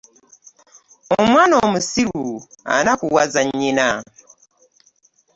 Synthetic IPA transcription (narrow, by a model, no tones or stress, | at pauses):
omwanomusiɾua̰nakuwazaɲina